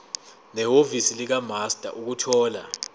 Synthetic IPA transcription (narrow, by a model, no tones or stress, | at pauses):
nɛɦovisilik̬amastʼa̰ʔuk̬utʰɔːla